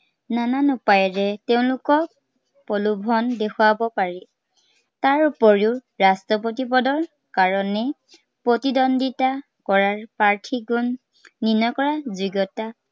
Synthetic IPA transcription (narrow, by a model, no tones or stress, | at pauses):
nananʊpajɛɹɛteʊ̃lʊkɔk̚ | pɔlubʱɔndekʰʊwabɔpaɹi | taɹupɔɹiʊɹastɔp̬ot̬ipɔdɔɹ | kaɹɔnɛ | pɹotidɔndita | kɔɹaɹpaɹtʰiɡunː | inɔkɔɹaziɡɔta